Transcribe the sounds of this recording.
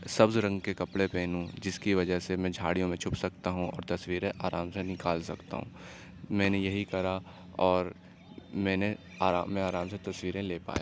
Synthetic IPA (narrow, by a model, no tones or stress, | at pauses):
sɐbzɾɐ̃ŋɡkekɐpɽepeːnɦũd͡ʒɪskiʋɐd͡ʒəɦsemɛ̃ːd͡ʒʱaːɽijõmẽt͡ʃʰʊpsɐk̚t̪aɦũɔ̰ːɾt̪ɐswiːɾẽʔaːɾaːmsenɪkaːlsɐkt̪a̰ɦṵ̃ː | mɛ̃ːnejɐɦikɐɾa | ɔːɾ | mɛ̃ːne | aːɾa̰ːmɛ̃aːɾaːmset̪ɐsʋiːɾẽleːpa̰ːeː